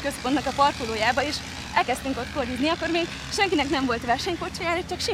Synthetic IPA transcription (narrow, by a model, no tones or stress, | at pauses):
køspont̪nɒkɒpɒrkoloːjaːbɒeːʃ | ɛlkɛst̪yŋko̞t̪korjud̪niɒkːo̞rmeːɡ | ʃɛŋkinɛknɛɱvo̞lt̪ʋɛrʃɛɲkort͡ʃojaːɾɒt͡ʃɒkʃi